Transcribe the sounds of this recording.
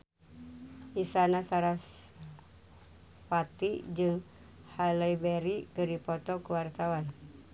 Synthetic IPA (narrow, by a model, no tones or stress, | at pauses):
ʔisanasaɾas | wat̪id͡ʒɨŋ | halajbɛɾikəripɔt̪ɔkəwart̪awan